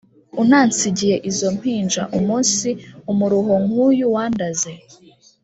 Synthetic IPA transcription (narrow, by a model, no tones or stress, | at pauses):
unaːnt͡siɟije̞ʔizo̞m̥hiːnd͡ʒaʔumuːnsiumuɾuɦo̞ŋ̥uːjuwaːndaze